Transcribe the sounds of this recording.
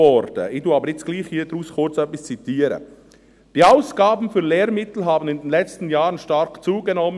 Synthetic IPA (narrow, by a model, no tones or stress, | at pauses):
ɔɾd̥ə̰ɪtuɑbəɾɪt͡sɡ̥liːχhiːd̥̪ɾuːskʰʊɾt͡sœpːist͡sit̪iːəɾə̰ | d̥iaʊsɡ̥ɑːbn̩fʏɾleːɾmɪt̪l̩ɦɑːbən̩ɪndɛnlɛt͡stən̩jɑːɾənʃtɑɾkt͡suːɡɛnɔm